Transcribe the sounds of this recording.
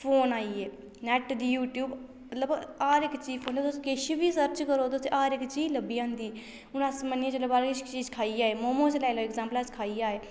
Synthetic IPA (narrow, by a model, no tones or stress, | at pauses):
pʰoːnaːiːeː | nɛːʈd̪iːjuːʈjuːb | mət̪ləbaːɾɪkt͡ʃiːpʰoːnet̪ʊskeʃbiːsəɾt͡ʃkəɾoːt̪ʊsʔaːɾɪkt͡ʃiːləbiːãːnd̪iː | ʊnəsmənẽːt͡ʃləbaːɾkɪʃt͡ʃiːd͡ʒkʰaːiːaːeːmoːmõːt͡ʃlɛːɪloːɛkzãːmplaːt͡ʃkʰaːiːaːeː